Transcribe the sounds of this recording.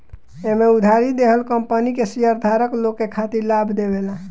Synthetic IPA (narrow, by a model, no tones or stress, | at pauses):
emeud̪ʱaɾid̪eɦəlkəmpənikesijəɾd̪ʱaɾəklokːekʰat̪iɾlabʱd̪ebela